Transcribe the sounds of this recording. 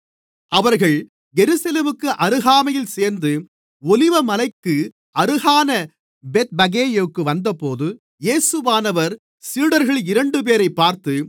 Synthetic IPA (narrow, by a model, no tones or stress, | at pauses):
ʔɐʋɐɾɣɐɭ | ɡɛɾɯsɐleːmɯkːɯʔɐɾɯɣaːmɐjɪlseːɾnd̪ɯ | ɔlɪʋɐmɐlɐɪkːɯ | ɐɾɯɣaːnɐ | bɛt̪̚bɐɡeːjɐʋɯkːɯʋɐnd̪ɐpoːðɯ | jeːsɯʋaːnɐʋɐɾ | siːɽɐɾɣɐɭɪɾɐɳɖɯp̬eːɾɐɪpːaːɾt̪ɯ